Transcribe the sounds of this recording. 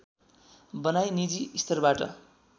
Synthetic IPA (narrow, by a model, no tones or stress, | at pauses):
bʌnajnid͡ziːst̪ʰʌrbaʈʌ̰